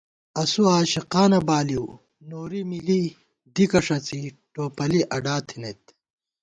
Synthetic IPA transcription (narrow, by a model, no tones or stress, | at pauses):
ɐsuaːɕiqaːnɐbaːliw | noːɾimili | d̪ikɐʂɐt͡si | ʈoːpɐliʔɐɖaːt̪ʰinet̪